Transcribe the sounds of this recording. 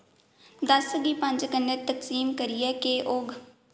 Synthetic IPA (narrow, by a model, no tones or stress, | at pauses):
d̪əsɡiːpə̃ɲd͡ʒkənːeːt̪əksiːmkəɾiːɛːkeʔoɡ